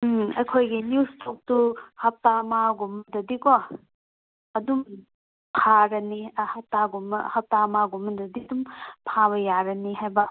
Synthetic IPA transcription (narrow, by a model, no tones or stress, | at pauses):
ɐjkʰojɡinustʰok̚tuhɐp̚tamaɡumɐdɐdiko | ɐdum | pʰaɾɐnihɐp̚taɡum̰hɐp̚tamaɡumːɐdɐdidumpʰabɐjaɾɐniɦajbɐ